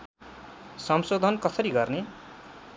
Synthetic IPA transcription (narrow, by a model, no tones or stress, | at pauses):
sʌmsod̪ʱʌnkʌsʌɾiɡʌrne